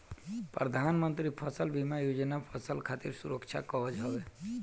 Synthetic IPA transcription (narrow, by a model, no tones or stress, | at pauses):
pɾəd̪ʱaːnmənt̪ɾipʰəsəlbʱimajod͡ʒnapʰəsəlkʰat̪iɾsuɾəkt͡ʃʰa̰kɔɦəd͡ʒɦɔʋe